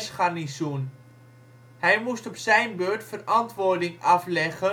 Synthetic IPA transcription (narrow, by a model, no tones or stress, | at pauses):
sχanisun | hɛjmustɔpsɛjnbøːɹtfərɑntʋʊːɹdɪŋɑflɛχə